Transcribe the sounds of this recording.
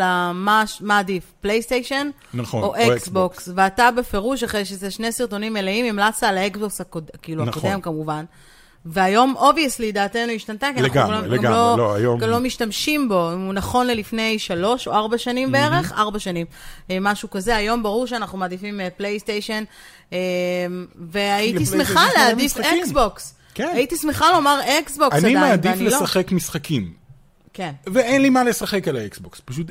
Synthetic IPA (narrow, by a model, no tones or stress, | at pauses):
lamaʃmaːdifplejst̪ejʃen | noʔeksboksveatabe̞fe̞ʁuʃaχʁejʃezeʃne̞siʁto̞nimeleimimlat͡salaeksboksakodkiːluakodemkamuvan | veajo̞mʔo̞vijeslidaːtenuiʃtantakiaaɡaoɡaɡloloajoɡamlo̞miʃtamʃimbo̞imunaχo̞nlelifne̞jʃalo̞ʃo̰aʁbaʃanimbeeʁe̞χʔa̰ʁbaʃanimmaʃukazeajo̞mbaʁuʁʃeanaχnumaːd̪ifimeplejstejʃen | emveajitismeχalead̪isfeksboks | keaitismeχalo̞maʁeksbokaniamead̪iflelosaχekmisχakʰim | ke̞nveenlimale̞saχe̞kalaeksbokspaʃut̪